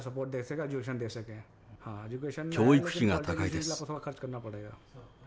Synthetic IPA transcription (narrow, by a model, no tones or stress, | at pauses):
səpoːɾʈ̚d̪eːkʰsəkaːd͡ʒukeːʃənd̪eːksəkɛ̃ː | hãːed͡ʒukeːʃənoipʰʃĩŋaakʰaielaːpːt̪ʰoːɽakʰəɾt͡ʃkəɾnaːpəɽeːɡa̰ː